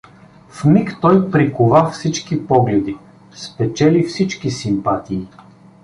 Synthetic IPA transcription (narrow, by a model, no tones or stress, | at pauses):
fmikt̪ɔjpɾikʊvafsit͡ʃkipɔɡlɛd̪i | spɛt͡ʃɛlifsit͡ʃkisimpat̪iː